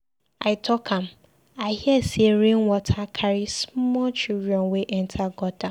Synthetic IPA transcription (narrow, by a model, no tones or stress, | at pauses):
aɪtʰɔkʰãm | aɪhiɛsieɾĩnwɔtʰakʰaɾismɔt͡ʃildɔ̃nweʔɛntʰaɡɔta